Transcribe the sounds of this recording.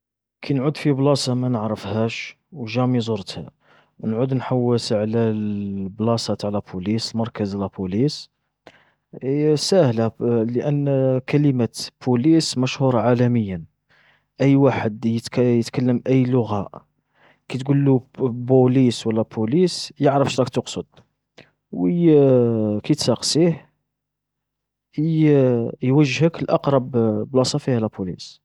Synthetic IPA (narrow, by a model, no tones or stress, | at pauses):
kʰænʕud̪fiblɑsɑmænəʕɾəfhæʃ | wʒæmizˤʊɾt̪hæ̰ | wnʕud̪nħawːəsʕlæblɑsˤɑt̪ʕlæbulisəlmɑɾˤkəzʕlæpulis | sæhlæləʔənːkæləmæbulismæʃhuɾˤɑʕalæməjːən | ʔəjːwaħəd̪jət̪kjət̪kəlːəmʔəjːlʊɣæʔ | kæt̪ɡulːubuliswəlːæbulisjəʕɾəfʃɾˤɑkt̪oqsˤəd̪̥̚ | wə | kæt̪sɑqsih | jwəʒːhəkəlʔɑqɾˤɑbblɑsˤɑfihælæpulḭs